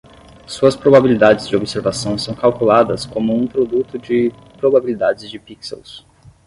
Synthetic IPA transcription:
suɐspɾobabilid̪ad͡ʒɪzd͡ʒɪobɪseɾvasɐ̃w̃sɐ̃w̃kawkulad̪ɐskõmʊũpɾod̪ut̪ʊd͡ʒɪ | pɾobabilid̪ad͡ʒɪzd͡ʒɪpiksḛws

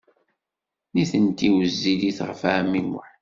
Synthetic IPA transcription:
niθənt̪iwəzːiliθʁəfamːimʊ̰ħ

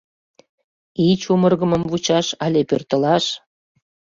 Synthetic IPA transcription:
it͡ɕumərɣəmə̆mvut͡ɕɑʃɑlʲepørt̪ə̆lɑʃ

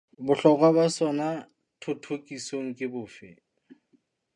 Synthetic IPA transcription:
bʊɬɔkʼwabasɔna | tʰʊtʰokʼisoŋ̩kʼɪbʊːfɪ̰

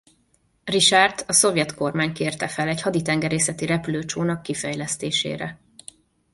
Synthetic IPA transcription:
riʃart̪ɒso̞vjɛt̪ko̞rmaːɲkeːrt̪ɛfɛlɛchɒd̪it̪ɛŋɡɛɾeːsɛt̪iɾɛpyløːt͡ʃoːnɒkːifɛjlɛst̪eːʃḛːɾɛ

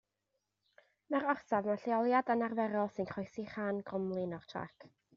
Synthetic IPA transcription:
maɾɔrsavmaɬiɔlˠjadanarvɛɾɔlˠsɨnkʰɔjsiχaːnɡrɔmlˠɨnɔr̥tʰra̰kʰ

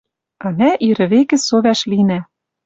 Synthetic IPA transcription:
ɑnæʔiɾɘ̆βekɘ̆soβæʃlinæ

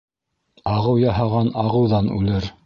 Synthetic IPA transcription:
ɑʁɤwjɑɦɑʁɑnɑʁɤ̆wðɑnʉ̰lɘɾ

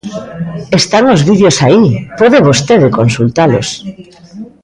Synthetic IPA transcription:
est̪aŋozβiðjosaipɔðeβost̪eðekonsult̪alo̰s

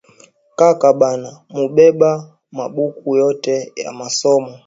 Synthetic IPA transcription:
kakaɓanamuɓɛɓa | maɓukujɔtɛja̰masɔmɔ

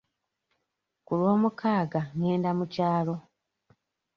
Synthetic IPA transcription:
kulwo̞ːmukʰaːɡaŋeːndamucaːlo̞

